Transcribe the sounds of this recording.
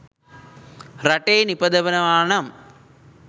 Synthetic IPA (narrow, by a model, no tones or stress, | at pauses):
rɐʈeːnipɐd̪ɐʋɐnɐʋaːɳɐm